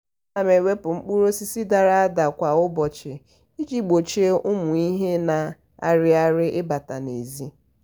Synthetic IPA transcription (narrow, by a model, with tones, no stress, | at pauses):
na˨me˨we˦pʊ˨ŋ͡m̩˦k͡pu˦ɾo˦si˦si˦da˨ɾa˦a˦da˨kʷa˨ʊ˦bɔ˨t͡ʃɪ˨ | i˦d͡ʒi˦ɡ͡bo˨t͡ʃe˦ʊ˦mʊ˨i˦ɦe˦na˨ | a̰˨ɾɪ˦a˦ɾɪ˦ʔɪ˦ba˨ta˨ne˨zi˦